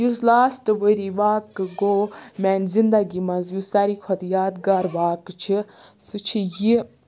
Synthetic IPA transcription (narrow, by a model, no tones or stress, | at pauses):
juslaːsʈɨʋəɾiʋaːkɨɡoːmɛnzind̪ɐɡimɐnzjusaɾikʰɐt̪jaːd̪ɡaːɾʋaːkt͡ʃʰisut͡ʃʰiji